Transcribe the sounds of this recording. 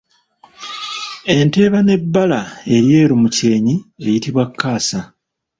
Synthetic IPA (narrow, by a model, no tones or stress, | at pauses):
e̞nte̞ːβane̞bːalae̞ɾje̞ːɾumuce̞ːɲie̞jitiβwakʰːaːsa